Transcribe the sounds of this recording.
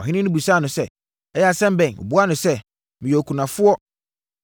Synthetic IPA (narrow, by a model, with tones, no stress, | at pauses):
ɔ˨ɦɪ̃˦nɪ̃˦nʊ̃˦bu˨saː˦˨nʊ̃˨sɛ˦ | ɛ˦jɛ˦a˨sɛ̃˦m˦bɛ̃˨no̰˨bu˦a˦nʊ̃˨sɛ˦ | mɪ̃˨jɔ˨kʰu˨nã˨fʊ˦ɔ˦